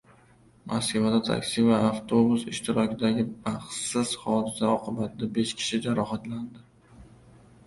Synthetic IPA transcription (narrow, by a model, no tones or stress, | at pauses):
mʔa̰skʲavad̪at̪ʰa̰kʲsɪvaːft̪ʰo̞busɪ̰ʃt̪ʰɪɾɒkʲɪd̪aɡʲɪbaχsɪz̥hɒd̪ɪsaɒqʰɨbat̪ʰɪd̪abe̞ʃkʲʰɪ̥ʃɪd͡ʒaɾɒhat̪land̪ɪ